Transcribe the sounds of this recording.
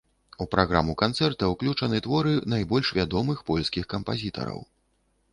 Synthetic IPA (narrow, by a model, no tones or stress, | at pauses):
upɾaɣɾa̰mukant̪sɛrt̪ɐwklʲut͡ʂɐnɨt̪vɔɾɨnajbɔlʲʂvʲad̪ɔmɨxpɔlʲskʲixkɐmpazʲit̪ɐ̰ɾɐ̰w